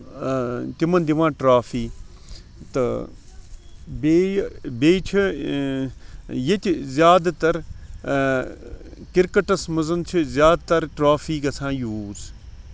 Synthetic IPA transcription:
t̪imɐnd̪iʋãːʈɾaːfiː | t̪ɐ | beːbeːt͡ʃʰi | jet̪ʲizjaːd̪t̪ɐɾ | kiɾkɐʈɐsmɐzɐnt͡ʃʰizʲjaːd̪t̪ɐɾʈɾaːfiːkɐsʰãːjuːz

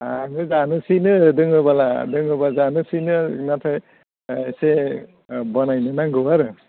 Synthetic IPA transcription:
aŋɯzanɯsinɯdɯŋɯbala̰dɯŋɯbazanɯsinɯnatʰaj | ese | bɔnajnɯnaŋɡɯaɾɯ

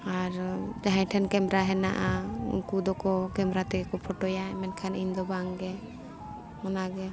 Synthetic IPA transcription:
aɾd͡ʒaɦãʈʰɛnkɛmɾaɦɛnaʔaṵnkud̪ɔkɔkɛmɾat̪ɛɡɛkɔpʰɔʈɔjamɛnkʰaniɲd̪ɔbaŋɡɛ | ɔnaɡɛ

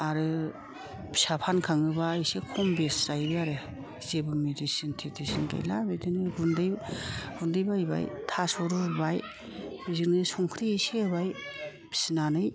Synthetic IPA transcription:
aɾɯ | bʰi̥sapʰankʰaŋɯbasekʰɔmbeszajbɯaɾɯ | zebɯmedisintʰetisinɡa̰jlabedɯnɯɡundɯjɡundɯjbajba̰jtʰasɔɾuɾbaj | biziknɯsɔŋkʰɾiejsebaj | b̥ʰi̥sinanɯj

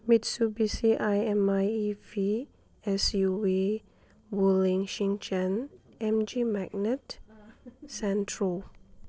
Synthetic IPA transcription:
mitsubisiʔajɛ̃majivi | ɛsjuwi | wulĩŋʃĩŋt͡ʃɛ̃n | ɛ̃md͡ʒimak̚nɛt | sɛ̃ntʰɹəl

